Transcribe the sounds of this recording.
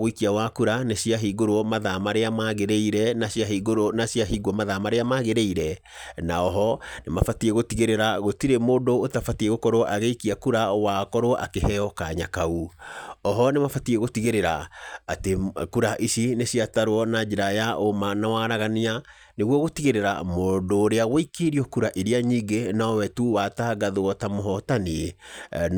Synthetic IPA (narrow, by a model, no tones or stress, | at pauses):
ɣoikiawakuɾanesiaɦiɣoɾwɔmaðamaɾeamaɣeɾeiɾɛnasiaɦiːɣoɾonasjaɦiːɡɔmaðamaɾeamaɣeɾeiɾɛ | naɔɦɔnemafatieɣotiɣeɾeɾaɣotiɾemoːndoːtafatiɛɣokɔɾoʔaɣeikiakuɾawakɔɾoa̰kehɛɔkaɲakauɔɦɔnemafatieɣotiɣeɾeɾaːtekuɾaʔisinesiataɾwɔnad͡ʒeɾajaʔomanawaɾaɣania | neɣwɔɣotiɣeɾeɾa̰mondoɾeaɣwoikeɾiɔkuɾaʔiɾiaɲiɡenaɔwɛtuwataɡaðoɔtamoɦɔtanie